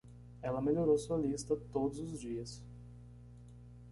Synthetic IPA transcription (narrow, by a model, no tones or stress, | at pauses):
ɛlɐmeʎoɾosuɐlist̪ɐt̪od̪ʊzʊzd͡ʒiɐs